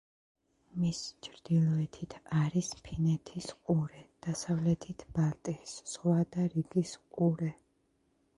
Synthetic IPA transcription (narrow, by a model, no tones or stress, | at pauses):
mist͡ʃʰɾd̪̥ilˠɔɛt̪ʰit̪ʰaɾispʰinɛt̪ʰisqʼuɾɛd̪̥asavlɛt̪ʰit̪ʰb̥alt̪ʼisz̥ʁwad̪aɾiɡisqʼuɾɛ